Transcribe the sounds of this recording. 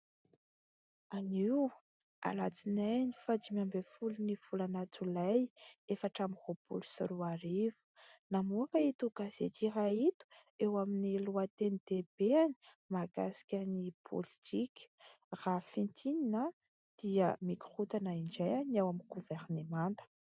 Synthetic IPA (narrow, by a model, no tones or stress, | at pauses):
aniw | a̰lat͡sinenifad̪imambefulinifulanat͡sulajefaʈ͡ʂamihopṵlu̥soɾuaɾivu̥namuakəit̪uɡaz̥ḛt̪irait̪u̥ewaminiluat̪enit̪eb̥eani̥ | maɡa̰si̥kʲənipʰo̰lit̪ʰikʲrafint̪ʰinina | d̪̥iə̰mikʁut̪anaiɳd͡ʒajanawaminɡuveɾnemant̪ə̥